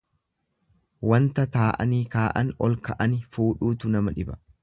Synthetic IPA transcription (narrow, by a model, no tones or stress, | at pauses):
wɐnt̪ɐt̪aːʔɐ̰niːkaːʔɐnɔlkɐʔɐnɪfuːᶑuːt̪ʊnɐmɐᶑɪbɐ̥̰